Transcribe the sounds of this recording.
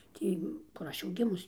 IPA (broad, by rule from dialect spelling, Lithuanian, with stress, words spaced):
ˈtʲiː kʊr ˈɐʃ jɛʊ ˈɡʲɪmʊs